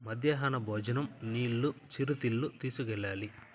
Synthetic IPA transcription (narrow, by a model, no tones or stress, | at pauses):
mɐd̪jaːɦaːnɐbʱɔːd͡ʒɐnɐmniːɭːut͡ʃiɾut̪iɭːut̪iːsukɛɭːaːli